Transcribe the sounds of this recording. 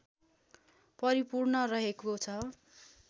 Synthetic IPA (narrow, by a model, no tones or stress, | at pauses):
pʌɾipurnʌrʌɦekot͡sʰʌ